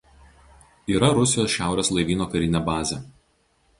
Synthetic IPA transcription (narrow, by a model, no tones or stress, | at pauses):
iːɾɐɾʊsʲɪjoːsʲʃʲæˑʊɾʲeːslˠɐɪʋʲiːnoːkɐɾʲɪnʲɛbɑːzʲɛ